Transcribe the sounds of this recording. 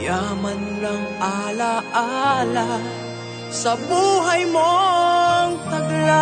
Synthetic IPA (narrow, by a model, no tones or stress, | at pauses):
jaːmɐnlɐŋalaʔala | sɐbuːɦɐjmo | ŋt̪ɐɡla